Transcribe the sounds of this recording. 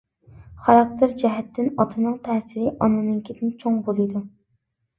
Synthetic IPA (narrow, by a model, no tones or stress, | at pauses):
χɑɾɑk̚t̪ʰeɾd͡ʒɛɦɛt̪ʰːɪnɑt̪ʰɨnɨŋt̪ʰɛːsɪɾɪʔɑnɨnɨŋkʲʰid̪ɪnt͡ʃʰoŋbolˠɨd̪u